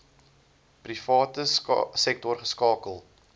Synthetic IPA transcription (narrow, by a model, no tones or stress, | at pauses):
prifɑːtəsɛk̚tɔrχəskɑːkəlˠ